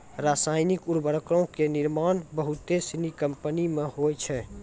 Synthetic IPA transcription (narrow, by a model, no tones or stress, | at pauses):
ɾaːsaːɪnɪkʊɾbəɾəkɾõkenɪɾmaːnbəɦʊt̪ːesinikəmpənimẽɦoːjt͡ʃʰɛ